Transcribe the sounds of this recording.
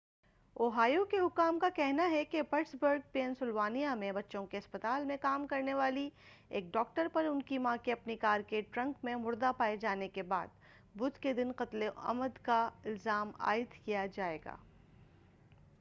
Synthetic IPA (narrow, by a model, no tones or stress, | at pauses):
oːɦaːjokeɦʊkːaːmkakɛɦnaɦɛkepɐʈsbəɾɡ̚peːnsʊlʋaːnijamẽbɐtːʃõkeɐspɐt̪aːlmẽkaːmkɐɾneʋaːlieːk̚ɖɔːk̚ʈəɾpɐɾʊnkimãːkeɐpnikaːɾkeːʈɾɐ̃ŋkmẽmʊɾd̪apaːed͡ʒaːnekeba̰ːd̪̚ | bʊd̪ked̪ɪnqɐt̪leɐ̰məd̪kaɪlzaːma̰ːɪd̪kijad͡ʒaːḛːɡa̰ː